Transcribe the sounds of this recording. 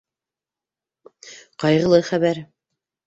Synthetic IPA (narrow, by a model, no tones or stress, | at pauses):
qɑjʁɤ̆lˠɤjχæβæɾ